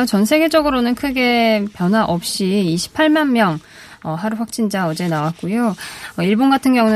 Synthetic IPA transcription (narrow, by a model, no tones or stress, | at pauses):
t͡ɕʌnsʰe̞ɡe̞d͡ʑʌɡɯɾonɯnkʰɯɡe̞pjʌnɦwaʔʌp̚ɕ͈iːɕʰi̥pʰaɭmanmjʌŋ | ʌɦaɾuɸwak̚t͡ɕ͈ind͡ʑaʌd͡ʑe̞nawat̚k͈ujoʌiɭbonɡatʰɯnɡjʌŋun